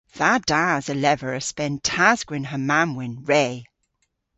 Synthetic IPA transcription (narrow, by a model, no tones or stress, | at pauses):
ð̥ad̥azəlɛvəɹəspɛ̃ntʰazɡ̥wɪ̃nɦəmamwɪ̃nɹeː